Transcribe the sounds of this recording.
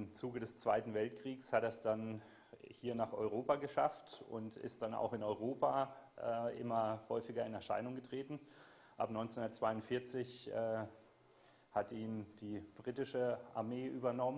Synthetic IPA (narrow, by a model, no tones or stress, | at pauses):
ɪmt͡suːɡədɛst͡sv̥aɪtn̩vɛltkʁ̥iːkshatɛsd̥an | hiːɐnaːχɔʏʁ̞oːpaɡəʃa̰ftʊ̰ntɪ̰st̚d̥ana̰ʊxɪnɔʏʁ̞oːpaːʔɛːʔɪ̰mɐhɔʏfɪɡɐɪnɛɐʃa̰ɪnʊŋɡətʁ̥eːtn̩ | ʔa̰pnɔʏnt͡senʊndɐt͡sv̥aɪʊntfɪɐt͡sɪçɛː | hatiːmd̥iːb̥ʁiːtɪʃəʔa̰ɐmeːʔyːbɐnɔmə